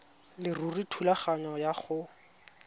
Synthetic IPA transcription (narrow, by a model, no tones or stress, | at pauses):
lɪruritʰulaχaɲɔjaχʊ